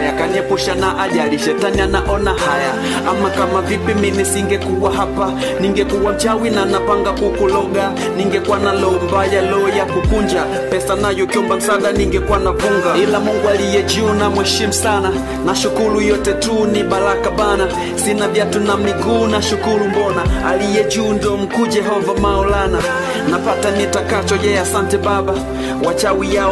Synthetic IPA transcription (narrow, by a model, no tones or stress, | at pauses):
jakaniɛpuʃanaʔaʄaliʃɛtanianaʔɔnahaja | amakamavipimimisiŋɡɛkuɓwaɦapa | niŋɡɛkuɓwam̩t͡ʃawinanapaŋɡakukulɔɡa | niŋɡɛkuwanalɔɔmbajalɔːjakupuɲd͡ʒa | pɛsanajɔkjɔbam̩saɗaniŋɡɛkuwanakuŋɡailamuŋɡualijɛd͡ʒiːnamwɛʃimusana | naʃukuɾujɔtɛtuniɓalakaɓana | sinavjatunam̩nikuːnaʃukuɾumbɔnaalijɛd͡ʒuːndɔm̩kuːd͡ʒɛɦɔvamaɔlana | napatanitakat͡ʃɔʄɛasantɛɓaɓa | wat͡ʃawijaɔ